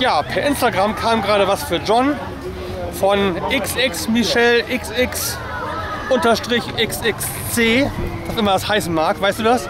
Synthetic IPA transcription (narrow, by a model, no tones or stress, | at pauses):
jaːpʰɛːɐʔɪnstaɡʁamkʰaːmɡʁaːɾəvasfyːɐd͡ʒɔn | fɔnʔɪksʔɪksmiʃɛlʔɪksʔɪks | ʔʊntɐʃtʁ̥ɪçʔɪksɪks | t͡seːd̥asʔɪmɐdashaɪsn̩maːɐkvaɪstd̥uːdas